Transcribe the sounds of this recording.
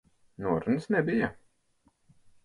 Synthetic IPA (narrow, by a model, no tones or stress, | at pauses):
nuɔɾunsnɛbija